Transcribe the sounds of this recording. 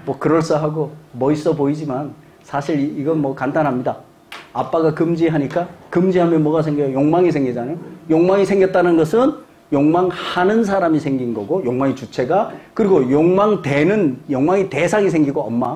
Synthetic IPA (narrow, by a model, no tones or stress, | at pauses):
mwʌkɯɾʌɭs͈ʌɦaɡomʌis͈ʌpoid͡ʑiman | sʰaɕʰiɾiɡʌnmwʌkandanɦamɲida | ap͈aɡakɯmd͡ʑiɦaɲik͈akɯmd͡ʑiɦamjʌnmwʌɡas̬ʰe̞ŋɡʌjojoŋmaŋisʰeŋɡid͡ʑanajojoŋmaŋisʰe̞ŋɡjʌt͈̚anɯnɡʌsʰɯn | joŋmaŋhanɯns̬ʰaɾamisʰe̞ŋɡinɡʌɡojoŋmaŋit͡ɕut͡ɕʰe̞ɡakɯɾiɡojoŋmaŋte̞nɯnjoŋmaŋite̞sʰaŋis̬ʰe̞ŋɡiɡoʌmmːa